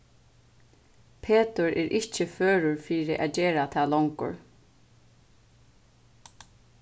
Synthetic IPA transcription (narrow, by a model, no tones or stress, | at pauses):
pʰeːt̪ʊɹɛːɾʔɪhcɪføːɾʊɹfiːɾɪʔæ̰ːd͡ʒeːɹat̪ʰaːlɔŋkʊ̰ɹ